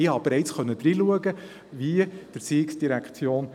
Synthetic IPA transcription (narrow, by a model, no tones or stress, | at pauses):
ɪhɑb̥eɾɛɪt͡sχœnːəd̥̪ɾiluəɡə | vid̥əɾsiɪksd̥iɾækχt͡sjoːn